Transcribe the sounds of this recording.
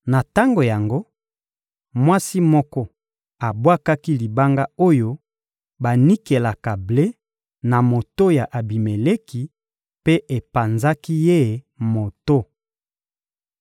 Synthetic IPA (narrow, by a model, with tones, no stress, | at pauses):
na˨ta˦ŋɡo˨ja˨ŋɡo˦ | mwa˦si˦mɔ˦kɔ˦ | a˨bwa˦ka˦ki˦li˨ba˦ŋɡa˦o˦jo˦ | ba˨ni˦ke˨la˨ka˨ble˦ | na˨mo˨to˦ja˨ʔa˨bi˨me˨le˦ki˨ | pe˦ʔe˨pa˨nza˦ki˦je˦˨ | mo˨to˦